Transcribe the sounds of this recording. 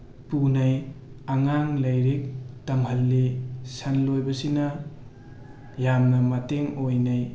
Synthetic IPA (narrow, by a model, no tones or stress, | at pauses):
punɐjaŋaŋlɐjɾek̚tɐmhɐlːesɐnlojbɐsinɐ | jamnɐmɐteŋojnɐj